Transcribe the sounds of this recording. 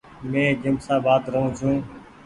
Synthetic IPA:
mẽːd͡ʒəmsaːbaːt̪ɾəɦũːt͡ʃʰũː

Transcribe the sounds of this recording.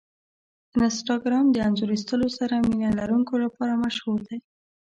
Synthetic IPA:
ɪnɪsʈɑɡɾɑmd̪əanzoɾist̪əlosaɾaminalaɾuŋkolapɑɾamaʃhuɾd̪aj

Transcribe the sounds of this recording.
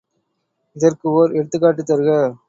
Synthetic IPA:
ɪðɐrkɯoːɾɛɽɯt̪ːɯkːaːʈːɯt̪ːɐɾɯɣɐ

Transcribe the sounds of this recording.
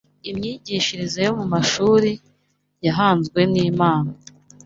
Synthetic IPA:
imɲiːɟiːʃiɾizajo̞mumaʃuːɾi | jaɦaːnzɡwe̞niːmaːna

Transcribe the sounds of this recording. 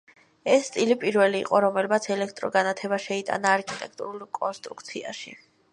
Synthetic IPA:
ɛsːt̪ʼilipʼiɾvɛlḭːqʼɔɾɔmɛlmat̪sʰɛlɛk̚ʰt̪ʼɾɔɡanat̪ʰɛbaʃɛit̪ʼa̰naːɾkʰit̪ʼɛk̚ʰt̪ʼṵɾulˠkʼɔnst̪ʼɾukʰt̪sʰiaʃḭ

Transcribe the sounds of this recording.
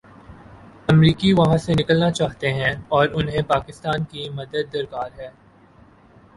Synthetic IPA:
ɐmɾiːkiʋɐɦãsenɪkəlnat͡ʃaːɦt̪eɦɛ̃ɔːɾʊnɦẽpaːkɪst̪aːnkimɐd̪əd̪̚ːɐɾkaːɾɦɛː

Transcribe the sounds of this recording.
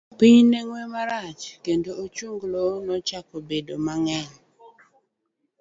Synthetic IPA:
pɪɲneŋwemaɾat͡ʃkendoot͡ʃuŋɡlonɔt͡ʃakobedomaŋɛɲ

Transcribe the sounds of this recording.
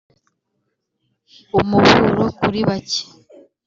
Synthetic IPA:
umuβuɾokuɾiβace̥

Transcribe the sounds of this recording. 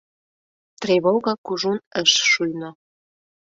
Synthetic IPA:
t̪reβoɣɑkuʒunəʃʃujno

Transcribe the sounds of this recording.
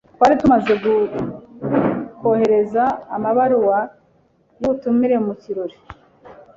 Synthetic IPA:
twaːɾitumaze̞ɡu | ko̞he̞ɾe̞zaːmaβaɾuwa | jotumiɾe̞muciɾo̞ɾi

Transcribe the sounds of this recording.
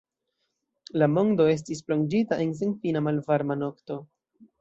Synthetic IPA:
lamo̞ndo̞e̞s̬tis̬plo̞nd͡ʒitaʔe̞ns̬enfinamalvaɾmano̞kto̞

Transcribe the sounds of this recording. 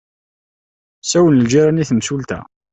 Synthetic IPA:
sæwənəld͡ʒiɾˤaniθəmsult̪æ̰

